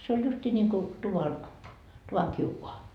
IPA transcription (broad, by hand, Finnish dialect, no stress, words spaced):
se olʲ justiː nʲiŋku tuʋɑn tuʋɑŋ kiukoɑ